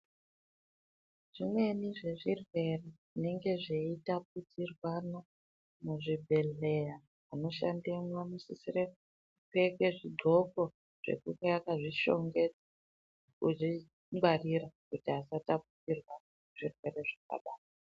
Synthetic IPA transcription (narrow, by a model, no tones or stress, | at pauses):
ʐ̥imwe̞niʐe̞ʐirwe̞re | ine̞ŋɡe̞ʐeitap̚utirwano̞ | muʐibʱe̞ɮe̞jaː | no̞ʃa̰ndemwamusisire | kekwe̞ʐiɡʱo̞ko | ʐ̥e̞̰kuŋɡeakaʐiʃo̞̰ŋɡe̞d͡za | kuʐi | ŋɡwariɾakutiɦasataputirwan | ʐ̥irwe̞ɾe̞ʐaka̰ɓaːta